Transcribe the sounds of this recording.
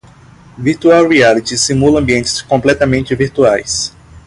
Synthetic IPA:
viɾt̪uawɾialit͡ʃisimulɐɐ̃mbiẽnt͡ʃɪ̥skõmplɛt̪ɐmẽnt͡ʃɪviɾt̪uajs

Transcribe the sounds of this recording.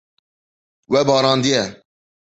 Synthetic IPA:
wɛbɑːɾɑ̃ːnd̪iɛ

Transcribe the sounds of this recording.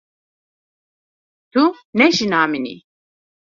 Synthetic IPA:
t̪ʰunɛʃinaːminḭ

